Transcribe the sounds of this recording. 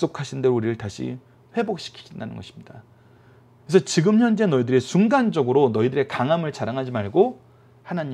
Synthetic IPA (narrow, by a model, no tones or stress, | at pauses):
s͈okʰaɕʰinde̞ɾouɾiɾɯɭtaɕʰḭ | ɸwe̞bok̚ɕ͈ʰi̥kʰi̥ɡindanɯ̰nɡʌɕʰi̥mɲid̥a | kesʰʌt͡ɕiɡɯmçjʌnd͡ʑe̞nʌidɯɾesuŋɡand͡ʑʌɡɯɾonʌidɯɾe̞kaŋɦamɯɭt͡ɕaɾaŋɦad͡ʑimaɭɡo | hanaɲi